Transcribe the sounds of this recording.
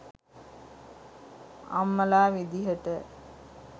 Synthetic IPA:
a̰mːəlaːʋid̪iɦəʈə

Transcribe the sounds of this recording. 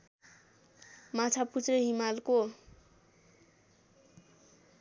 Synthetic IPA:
mat͡sʰaput͡sreɦimalko

